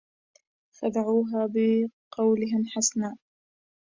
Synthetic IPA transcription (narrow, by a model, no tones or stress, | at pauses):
fad̪aʕuːɦaːbɪqɑwlɪɦɪnħasnaː